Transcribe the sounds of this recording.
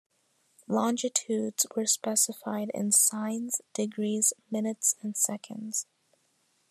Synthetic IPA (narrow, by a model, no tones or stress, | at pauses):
lɑ̃nd͡ʒɨtʰʉdz̥wə˞spɛsəfaɪɾɪ̰̃nsãɪ̃nz̥d̥ɨɡɹiz̥mɪ̃nɨtsɨ̃nsɛkʰɨ̰̃ndz̥